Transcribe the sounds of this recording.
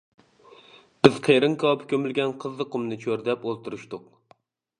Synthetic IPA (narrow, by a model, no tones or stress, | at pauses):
b̥ɪz̥qʰeɾɨŋkʰɑpʰkʲømylɡʲɛnqʰəzlɨqumnɨt͡ʃʰøɾd̪ɛpolˠt̪uɾuʃt̪ʊq